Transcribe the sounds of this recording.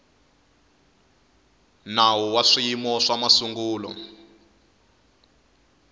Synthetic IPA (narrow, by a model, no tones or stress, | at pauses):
nawuwaʂimɔʂamasuŋɡuːlɔ̰